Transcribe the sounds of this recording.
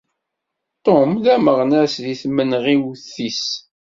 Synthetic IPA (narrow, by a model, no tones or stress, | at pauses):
t̪ˤomlæməʁnæsðiθmənʁiwθis